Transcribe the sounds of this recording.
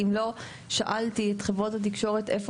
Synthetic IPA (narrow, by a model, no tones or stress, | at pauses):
imlo̞ | ʃaʔaltietχevʁo̞that̬ikʃo̞ʁete̞fo